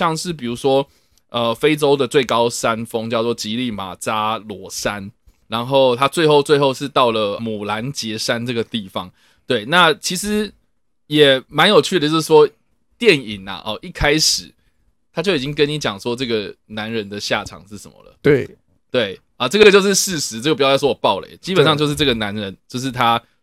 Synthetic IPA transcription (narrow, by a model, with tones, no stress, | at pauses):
ɑ˥˧ŋʂɻ̩˥˩p̬i˨˩ɻu˧˥ʂwɔ˥ | ə˧fe˥ɪʈ͡ʂo˥ʊd̪ə˨t͡swe˥˩ɪkɑ˦˥ʊsa˦nfɤ˥ŋt͡ɕjɑ˥˧ʊt͡swɔ˥˩t͡ɕi˧˥li˥˩ma̰˨˩t͡sa˥lwɔ˧˥sa˦n | ɻa˧˦nxo˥˩ʊt̪ʰa˥t͡swe˥˧ɪxo˥˧ʊt͡swe˥˧ɪxo˥˧ʊʂɻ̩˥˧t̪ɑ˥˩ʊlə˩mu˨˩la˧˦nt͡ɕjɛ˧˥ʂa˦˥nʈ͡ʂɤ˥˩ɡə˩t̪i˥˩fɑ˦ŋ | t̪we˥˩ɪna˥˩t͡ɕʰi˧˥ʂɻ̩˧˦ | jɛ˨˩ma˧˦njo˨˩ʊt͡ɕʰy˥˩d̪ə˩t͡ɕjo˥˧ʊʂ̩˥˩ʂwɔ˥ | t̪jɛ˥˨ni˨˩na̰˩ʔɔ˨ʔi˥˩kʰa˥ɪʂɻ̩˨˩ | t̪ʰa˥t͡ɕjo˥˩ʊi˨˩t͡ɕi˥ŋk̬ə˦ni˨˦t͡ɕjɑ˨˩ŋʂwɔ˦ʈ͡ʂɤ˥˩ɡə˩na˧˦nɻə˧˦nd̪ə˨ɕja˥˨ʈ͡ʂʰɑ̰˨˩ŋʂɻ̩˥˩ʂə̰˧˦mə̰˨lə̰˩t̪we˩ | t̪we˥˩ɪ | ə˩ʈ͡ʂɤ˥ɡə˩ə˩t͡ɕjo˥˧ʊʂɻ̩˥˧ʂɻ̩˥˩ʂɻ̩˧˥ʈ͡ʂə˥˩ə˩pu˨˩jjʊ˩wɔ˥wɔ˨˩pɑ˥˩ʊlə̰˨˩ɪ˦t͡ɕi˥pə˨nʂ̬ɑ˥˧ŋt͡ɕjo˥˧ʂɻ̩˥˧˩ʈ͡ʂɤ˥˩ɡə˩na˧˦nɻə˧˦nt͡ɕjo˥˧ʊʂ̬ɻ̩˥˩t̪ʰa˦